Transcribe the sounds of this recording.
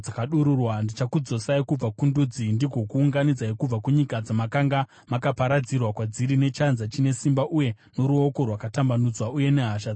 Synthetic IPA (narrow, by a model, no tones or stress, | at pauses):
akaɗuɾurwandit͡ʃakud͡zosaikub͡vakundud͡zindiɡʱo̞kuːŋɡanid͡zaikub͡vakuɲikad͡zamakaŋɡa | makapaɾad͡zirwakwad͡ziɾine̞t͡ʃanzat͡ʃine̞simbaʔuje̞ | no̞ɾuo̞ko̞rwakatambanud͡zwauje̞ne̞ɦaʃa